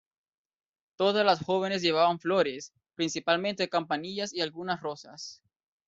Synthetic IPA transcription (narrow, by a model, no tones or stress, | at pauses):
t̪o̞ðazlasxoβ̞e̞nez̬ʝe̞β̞aβaɱfloɾes | pɾinsipalmẽnt̪ekampaniʝasialɣunasro̞sa̰s